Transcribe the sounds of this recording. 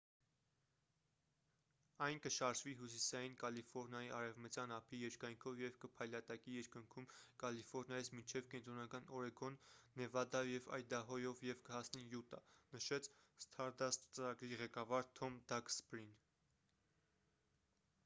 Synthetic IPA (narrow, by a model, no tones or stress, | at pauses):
ɑjnkəʃɑɾʒviɦus̬isɑjinkɑlifɔɾnjɑjiʔɑɾɛvmət͡sjɑnɑpʰijɛɾkɑjŋkʰɔvjɛvkəpʰɑjlɑt̪ɑkijɛɾkəŋkʰumkɑlifɔɾnjɑjit͡sʰmint͡ʃʰɛvkɛnt̪ɾɔnɑkɑnɔɾɛɡɔnːɛvɑd̪ɑjɛvɑ̰jd̪ɑɦɔjɔvjɛvkəhɑsnijut̪ɑnəʃɛt͡sʰst̪ʰɑɾd̪ɑst̪t͡səɾɑɡɾiʁɛkɑvɑɾt̪ʰɔmd̪ɑkspɾin